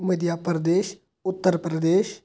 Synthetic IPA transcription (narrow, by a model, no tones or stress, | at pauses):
məd̪jaːpɾəd̪eːʃ | ʊt̪ːəɾpɾəd̪eːʃ